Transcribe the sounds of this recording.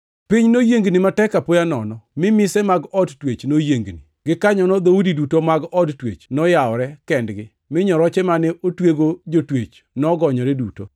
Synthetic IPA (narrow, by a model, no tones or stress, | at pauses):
piɲnojeŋɡnimatɛkapojanɔnɔmɪmɪsɛmaɡɔdtwet͡ʃnojeŋɡni | ɡɪkaɲɔnɔd̪oudidutomaɡɔdtwḛt͡ʃnɔjaɔɾɛkɛndɡɪ | mɪɲɔɾɔt͡ʃɛmanɛʔotweɡod͡ʒotwet͡ʃ | nɔɡɔɲɔɾɛduto